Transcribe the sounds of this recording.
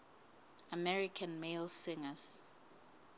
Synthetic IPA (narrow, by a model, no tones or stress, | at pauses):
amɛɹikʰãnmelsɪŋaz̥